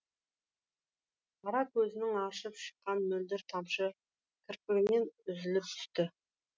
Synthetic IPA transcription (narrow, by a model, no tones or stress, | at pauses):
ɑɾɑkʰɵzɪnɪŋɑʃəpʃə̥qːɑnmɵld̪ɪɾt̪ʰɑmʃə | kʲʰɪɾpɪɡʲɪme̞nʏzɪlɪp̚t̪ʰʏ̥st̪ɪ